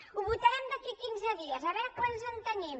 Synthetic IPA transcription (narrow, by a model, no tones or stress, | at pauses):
uβut̪ɛmd̪əkikinzəðiəzəβɛɾkwanzənt̪əɲɛm